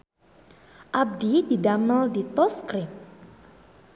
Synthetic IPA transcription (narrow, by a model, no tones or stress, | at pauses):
ʔab̚dididaməldit̪ɔskɾim